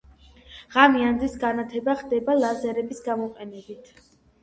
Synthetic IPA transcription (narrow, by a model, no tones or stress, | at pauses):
ʁamiand̪zisɡanat̪ʰɛbaχd̪ɛbalˠazɛɾɛbisɡamɔqʼɛnɛbit̪ʰ